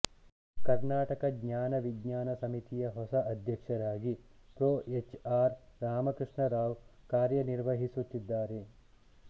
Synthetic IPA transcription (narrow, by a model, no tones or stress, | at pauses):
kɐɾnaːʈɐkɐɡɲaːnɐʋiɡɲaːnɐsɐmit̪ijɐɦɔsɐʔɐd̪ʱjɐkʂɐɾaːɡipɾoːet͡ʃaːɾɾaːmɐkɾɨʂɳɐɾaːʋkaːɾjɐniɾʋɐɦisut̪ːid̪ːaːɾe